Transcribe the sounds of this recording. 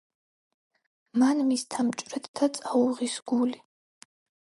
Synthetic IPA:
manmist̪ʰamt͡ʃʼɾɛt̪ʰd̪at͡sʼauʁisɡuli

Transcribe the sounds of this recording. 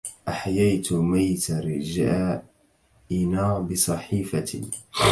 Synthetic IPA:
ʔaħajaːt̪majt̪aɾɪd͡ʒa | ʔɪnaːbɪsˤɑħiːfa̰

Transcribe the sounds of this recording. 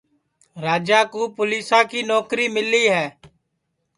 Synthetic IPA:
ɾaːd͡ʒaːkuːpʊliːsãːkiːnɔːkɾiːmɪliːɦɛː

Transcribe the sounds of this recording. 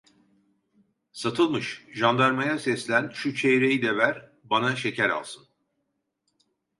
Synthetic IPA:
sat̪ʰɯlˠmɯʃʒand̪aɾmajasɛslʲænʃut͡ʃʰejɾejid̪ɛvæɾ | banaʃe̞cʰæɾa̰lˠsɯn

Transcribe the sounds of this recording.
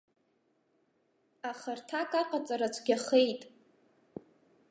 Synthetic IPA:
aχərtʰakʼaqʼat͡sʼaɾat͡sʷʰɡʲaχejtʼ

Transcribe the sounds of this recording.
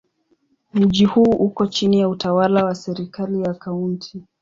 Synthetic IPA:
m̩ʄihuːʔukɔt͡ʃinijautawalawasɛɾikalijakauntʰi

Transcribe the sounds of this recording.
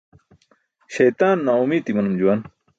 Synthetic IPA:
ɕɐjt̪aːnːaːumiːt̪imɐnumd͡ʑuwaːn

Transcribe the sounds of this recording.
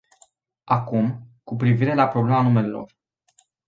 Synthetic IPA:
akumkupɾiviɾe̞lapɾoble̞manume̞lelo̞̰r

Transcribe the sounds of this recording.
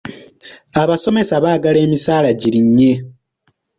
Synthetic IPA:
aβaso̞me̞saβaːɡale̞ːmisaːlaɟiɾiɲːe̞

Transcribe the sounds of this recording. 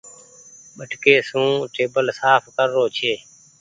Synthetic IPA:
ɓəʈkeːsũːʈeːbəlsaːpʰkəɾːoːt͡ʃʰeː

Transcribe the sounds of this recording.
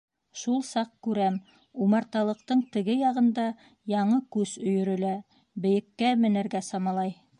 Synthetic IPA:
ʃulˠsɑq̚kʉɾæm | umɑɾt̪ɑlˠɤ̆q̚t̪ɤɴt̪ɘ̆ɡɘjɑʁɤ̆nd̪ɑ | jɑɴɤkʉz̥ɵ̆jɵ̆ɾɵ̆læ | bɘ̆jɘ̆kːæmɘ̆nɘ̆ɾɡæsɑmɑlˠɑj

